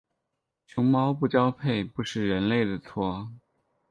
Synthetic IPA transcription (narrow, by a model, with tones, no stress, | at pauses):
t͡ɕʰjʊ˧˥ŋmɑ˥ʊpu˥˩t͡ɕjɑ˥ʊpʰe˥˩ɪpu˧˥ʂɻ̩˥˩ɻə˧˥nle˥˩ɪd̪ə˩t͡sʰwɔ˥